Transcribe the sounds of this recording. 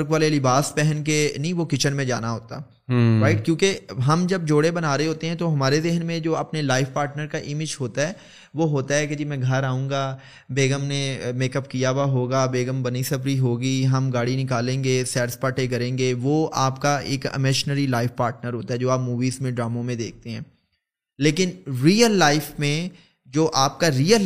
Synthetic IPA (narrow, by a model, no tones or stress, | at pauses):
ɾkʋaːlelɪbaːspɛɦɛnk̬enĩʋokɪt͡ʃənmẽd͡ʒa̰ːnaɦoːt̪a̰ | ɾaːɪʈ̚kjõːkeɦɐmd͡ʒɐb̚d͡ʒoːɽebɐnaːɾeɦoːt̪eɦɛ̃t̪oɦɐmaːɾezɪɦənmẽd͡ʒoːɐpnelaːɪʋpaːɾʈnəɾkaʔɪmɪd͡ʒɦoːt̪aɦɛː | ʋoːɦoːt̪aɦɛked͡ʒimɛ̃ɡʱɐɾaːũːŋɡaː | beːɡəmnemeːkəpkijaʋaɦoːɡaːbeːɡəmbɐnisɐbɾiɦoːɡiɦɐmɡaːɽinɪkaːlẽːŋɡeːsɛːʈspaːʈekɐɾẽːŋɡeːʋoːaːpkaeːkɪ̰mɛːʃnəɾilaːɪfpaːɾʈnəɾɦoːt̪aɦɛd͡ʒoːaːpmuːʋiːzmẽɖɾaːmõmẽd̪eːk̚ʰt̪eɦɛ̃ː | leːkɪnɾiːəlːaːɪfmẽ | d͡ʒoːʔaːp̚kaɾiːəl